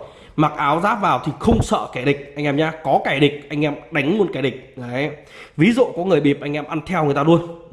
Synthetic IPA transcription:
ma˨˩k̚ʔaː˨˦wzaː˦˥p̚vaː˨˩wt̪ʰi˨˩xə˧wŋ͡msə̰ː˧˨ka˧˩jɗï˨˩k̟̚ʔa˧jŋ̟ʔɛ˧mɲaː˧kɔ˨˦kaː˧˩jɗï˨˩k̟̚ʔa˧jŋ̟ʔɛ˧mɗa˨˦jŋ̟mu˧˩ənkaː˧˩jɗï˨˩k̟̚ː | vi˨˦zṵ˧˨kɔ˨˦ŋɨ˨˩əjɓi˨˩əp̚ʔa˧ŋʔɛ˧mʔa˧nt̪ʰɛ˧wŋɨ˨˩jt̪aː˧lu˧ən

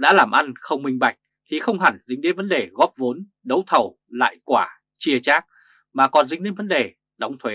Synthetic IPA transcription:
ɗa̰ː˧˥laː˨˩mʔa˧nxə˧wŋ͡mmï˧ŋ̟ɓa˨˩jk̚ | t̪ʰi˨˩xə˧wŋ͡mɦa˨˩nzï˨˦˥ŋ̟ɗḛ˧˥˦nvə˨˦nɗe˨˩ɣɔ˦˥p̚vo˨˦n | ɗə˨˦wt̪ʰə˨˩w | la̰ː˧˨jkwaː˧˩ | t͡ɕi˧ət͡ɕaː˦˥k̚ | maː˨˩kɔ˨˩nzŋ̟ɗḭ˧˥nvə˨˦nɗe˨˩ | ɗɔ˨˦wŋ͡mt̪ʰwe˨˦

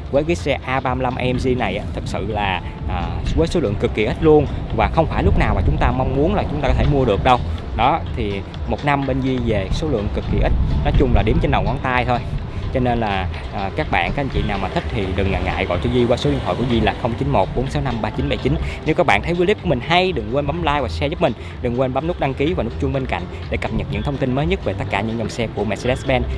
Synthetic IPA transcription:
vəː˨˦jkaː˨˦sɛ˧ʔaː˧ɓaː˧mla˧mʔa˧ɛ˧mzi˧na˨˩jʔaː˨˦t̪ʰɨ˨˩k̚sɨ̰˧˨laː˨˩ | ʔəː˨˩vəː˨˦jso˨˦lɨ̰˧˨əŋkɨ˨˩kːi˨˩ʔi˦˥t̚lu˧ənvaː˨˩xə˧wŋ͡mfaː˧˩jlʊ˦˥k͡p̚naː˨˩wmaː˨˩t͡ɕʊ˨˦ŋ͡mt̪aː˧ma˧wŋ͡mmu˨˦ənlaː˨˩t͡ɕʊ˦ŋ͡mt̪aː˧ɔ˧˦tʰe˧˩mu˧əɗɨ˨˩ək̚ɗə˧wɗɔ˨˦t̪ʰi˨˩ | mo˨˩t̚na˧mɓe˧nzi˧ve˨˩so˨˦lɨ̰˧˨əŋkɨ˨˩kːi˨˩ʔi˦˥t̚nɔ˨˦t͡ɕʊ˧ŋ͡mlaː˨˩ɗi˨˦əmt͡ɕe˧nɗə˨˩wŋɔ˨˦nt̪aː˧jt̪ʰo˧j | t͡ɕɔ˧ne˧nlaː˨˩ | ʔəː˨˩kaː˦˥k̚ɓa̰ː˧˨nka˧˨˦ʔŋ̟t͡ɕḭ˧˨naː˨˩wmaː˨˩ï˦˥k̚t̪ʰi˨˩ɗɨ˨˩ŋːa̰ː˨˩ŋa̰ː˧˨jɣɔ̰˧˨jt͡ɕɔ˧zi˧kwaː˧so˨˦ɗi˧əŋɦɔ̰˧˨jku˧˩əzi˧laː˨˩xə˧wŋ͡mt͡ɕi˨˦nmo˨˩t̚ɓo˨˦nsa˨˦wna˧mɓaː˧t͡ɕi˨˦nɓa̰˨˧˩jt͡ɕi˨˦nne˨˦wkaː˦˥kɓa̰ː˧˨nt̪ʰə˨˦jvu˧˨˦li˦˥p̚ku˧˩əmï˨˩ŋ̟ha˧jɗɨ˨˩ŋkwe˧nɓa˨˦mlaː˧jvaː˨˩sɛ˧zə˦˥p̚mï˨˩ŋ̟ | ɗɨ˨˩ŋkwe˧nɓa˨˦mnɨ˦˥k̚ɗa˧ŋki˨˦vaː˨˩nu˦˥k̚t͡ɕʊ˧ŋ͡mɓe˧nka̰˧˨jŋ̟ | ɗe˧˩kə˨˩p̚ɲə˨˩t̚ɲɨ̰˧˥ŋt̪ʰə˧wŋ͡mt̪i˧nməː˨˦jɲə˦˥t̚ve˨˩t̪ə˦˥kaː˧˩ɲɨ̰˧˥ŋzɔ˨˩wŋ͡msɛ˧ku˧˩əmɛ̰˧˩se˧ɛ˦˥sɓɛ˧n

